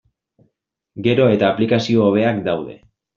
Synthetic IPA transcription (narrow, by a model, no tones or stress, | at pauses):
ɡe̞ɾo̞e̞t̪aːplikasio̞ːβ̞e̞akd̪awðe̞̰